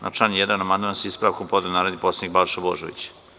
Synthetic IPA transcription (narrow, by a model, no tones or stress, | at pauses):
nʔa̰t͡ʃanjed̪anamand̪mansispɾaːʋkompod̪enaːɾod̪nipot̪sed̪ik̚balʃabo̰ʒo̰ʋḭt͡ɕ